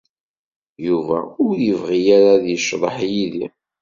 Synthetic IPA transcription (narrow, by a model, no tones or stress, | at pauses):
juvæ̰ʊɾjəvʁijaɾaðjəʃːðˤəħjiðḭ